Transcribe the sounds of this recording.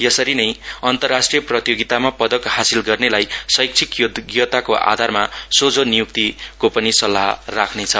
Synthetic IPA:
jʌsʌɾinʌjʌnt̪ʌrːasʈrijʌprʌt̪joɡit̪amapʌd̪ʌkhasilɡʌrnelajsʌjk̚t͡sʰikjod̪ɡjʌt̪akoʔa̰d̪ʱarmasod͡zonijuk̚t̪ikopʌnisʌlːaɦrakʰnet͡sʰʌ

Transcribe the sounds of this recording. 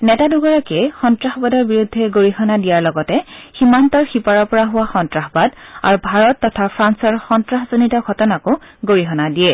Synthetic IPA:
nɛtaduɡɔɹakɛxɔntɹaxbadɔɹbiɹudʱːɛɡoɹixɔnadijaɹlɔɡɔtɛximantɔɹxipaɹɔɹpɔɹaɦʊwaxɔntɹaxɔbada̰ɹubʱaɹɔtːɔtʰapʰɹansɔɹxɔntɹaxzonitɔɡʱɔtɔnakʊɡoɹiɦɔnadijɛ

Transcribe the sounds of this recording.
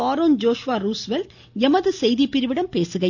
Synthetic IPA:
aːɾoːnd͡ʒoːʂʋaːɾuːsʋɛl | ɛmɐðɯsɛjðipːɪɾɯʋɪɽɐmpeːsɯɣɐ

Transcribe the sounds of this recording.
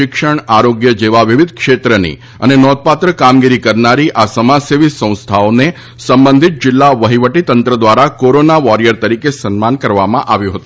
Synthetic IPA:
ɪkʂəɳ̃aɾoɡjəd͡ʒeʋaʋiʋid̪ʱkʃet̪ɾənḭ | ə̰nenɔt̪̚pat̪ɾəkamɡiɾikəɾnaɾiʔasəmaseʋisə̃w̃st̪ʰaone | səmbənd̪ʱit̪̚d͡ʒɪlːaʋəɦiʋəʈit̪ənt̪ɾəd̪ʋaɾakoɾonaʋɔɾijəɾt̪əɾikesənmankəɾʋamã̰ʔaʋjũɦət̪u

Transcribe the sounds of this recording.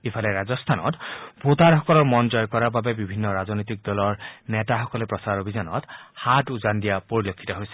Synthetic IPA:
ipʰalɛɹazɔst̪ʰanɔ̰tbʱot̪aɹhɔkɔlɔɹmɔnzɔjkɔɹaɹbabɛbibʱinːɔɹaznojt̬ik̚dɔlɔɹnɛtaxɔkɔlɛpɹɔsaɹobʱizanɔ̰thatuzandijapoɹilokʰːi̥tɔɦojsɛ̥

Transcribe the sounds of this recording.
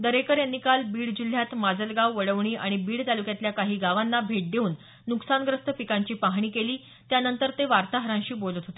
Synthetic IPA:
d̪əɾekəɾjanːikalbiːɽd͡ʑul̤jat̪mad͡zəlɡawʋəɽəʋɳ̃iːʔa̰ɽ̃ibiːɽt̪alukjat̪ljakaɦiːɡaʋanːabʱeʈ̚d̪euːnː | uksanɡɾəst̪əpikaɲt͡ɕiːpaɦɳ̃iːkeliː | t̪janənt̪əɾt̪eʋaɾt̪aɦəɾãɕiːbolət̪ɦot̪e

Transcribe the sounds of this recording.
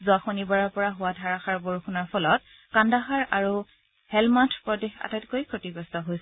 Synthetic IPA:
zʊaxonibaɹaɹpɔɹaɦʊwadʱaɹaxaɹboɹuxunaɹpʰɔlɔt̚ | kandaxaɹaɹu | hɛlmantʰpɹɔdɛxa̰tajtkojkʰotibɔstɔɦojsɛ

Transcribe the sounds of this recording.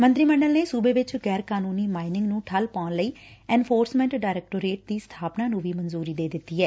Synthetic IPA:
mə̃nt̪ɾiːməɳɖəlneːsuːbeːʋɪt͡ʃɡɛːɾkaːnuːniːmaːɪnɪ̃ŋɡnũːʈʰəlpaːnləiːɛ̃ːnpʰoːɾsmɛ̃ːɳʈɖaːɪɾɛːk̚ʈoːɾeːʈ̚d̪iːst̪ʰaːpnaːnũːʋiːmənzuːɾiːd̪eːd̪ɪt̪ːiːɦɛː

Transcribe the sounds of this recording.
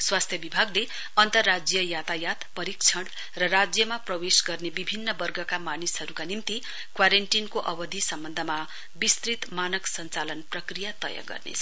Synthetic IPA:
swast̪ʰjʌbibʱaɡle | ʌnt̪ʌrːad͡zjʌjat̪ajat̪pʌɾik̚t͡sʰʌɽ | rʌrad͡zjʌmaprʌwesɡʌrnebibʱinːʌbʌrɡʱʌkamanisɦʌɾukanimt̪i | kwaɾeɳʈinkoʔʌbʌd̪ʱisʌmbʌnd̪ʱʌma | bist̪rit̪manʌksʌnt͡salʌnprʌkrijat̪ʌ̰ja̰ɡʌ̰rnḛʌ

